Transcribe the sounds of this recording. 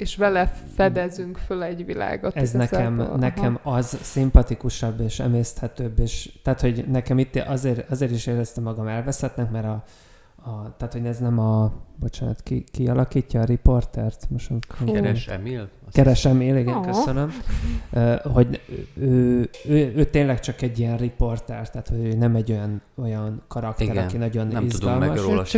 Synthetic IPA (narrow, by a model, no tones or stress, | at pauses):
eʃʋɛlɛfɛd̪ɛzyŋkfølɛɟʋila̰ːɡot̪ɛznnɛkɛmnɛkɛmɒzsimpɒt̪ikuʃɒbːeːʃɛ̰meːst̪hɛt̪øːbːeːʃt̪aːt̪ho̞ɟnɛkɛmit̪ːʔɒzeːɾɒzeːɾiʃeːɾɛst̪ɛmːɒɡɒmɛlvɛshɛt̪nɛkmɛɾɒ | ɒt̪aːt̪ho̞ɟnɛznɛmɒbo̞t͡ʃaːnɒ̰t̪kikiɒlɒkiːcːɒːɾipo̞rt̪ɛrt̪moʃonkoɛɾmil | kɛɾɛʃɛmiliɡɛnkøsønømøːho̞ɟøːøːøːt̪eːnlɛkt͡ʃɒkɛɟːijɛnripo̞rt̪ɛrt̪ːaːt̪ho̞ɟøːnɛmɛɟːo̞jɒno̞jɒnkɒɾɒkt̪ɛɾɒnkinɒɟo̞nizud̪ɒlmmɒʃo